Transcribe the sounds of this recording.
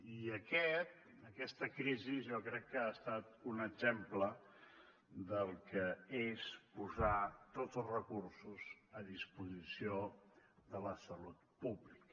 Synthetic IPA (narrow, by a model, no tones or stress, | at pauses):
iəkɛt̪̚ | əkɛst̪əkɾizizʒɔkɾɛkːəast̪at̪unəɡzemplə | d̪əlˠkəespuzat̪od͡zəlˠzrəkursuzəðispuzisioðələsəlut̪̚puβlikə